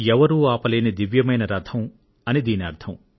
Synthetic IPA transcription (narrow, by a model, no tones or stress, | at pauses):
ɛʋɐɾuːaːpɐleːnid̪iʋjɐmɐjnɐɾɐd̪ʰʱɐm | ɐnid̪iːniɐɾt̪ʰɐm